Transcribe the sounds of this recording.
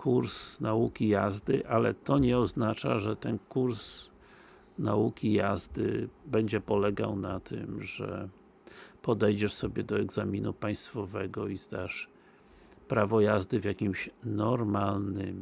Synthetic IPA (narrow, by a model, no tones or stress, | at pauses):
kʰuɾsnaukʲijazd̪ɘʔalɛt̪ɔɲɛɔznat͡ʂaʐɛt̪ɛnkuɾs | naukʲijazd̪ɘ̰bɛɲd͡ʑɛpɔlɛɡawnat̪ʰɪ̰mʐɛ̰ | pɔd̪ɛjd͡ʑɛʂsɔbʲjɛd̪ɔɛɡzamʲinupaj̃st̪fɔvɛɡɔizd̪aʂ | pɾavɔjazd̪ɘvʲjakʲimɕnɔɾmalnɘm